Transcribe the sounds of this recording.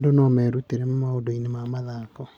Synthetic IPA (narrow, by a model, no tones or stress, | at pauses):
donɔmɛɾuteɾemmaodoinemamaðakɔ